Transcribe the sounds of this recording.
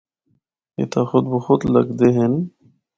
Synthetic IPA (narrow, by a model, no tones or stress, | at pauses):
ɪ̰t̪aːxʊd̪̚boxʊd̪lə̰ɡd̪eɦen